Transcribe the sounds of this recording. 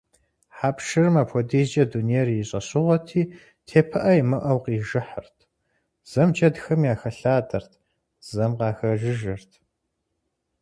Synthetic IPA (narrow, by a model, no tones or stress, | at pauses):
ħaːpʂɨrɨmaːpʰɔdiːd͡ʒɐduneːrjɪɕʼɐɕʼɪʁʷɔtʰiː | tʰeːpʰɐʔɐjimɨʔɐwqiːʒɨħə̰rtʰ | z̥ɐmd͡ʒɐdxɐmjaːxɐɬaːdɐrtʰ | z̥ɐmqɑːxɐʒɨʒɐrtʰ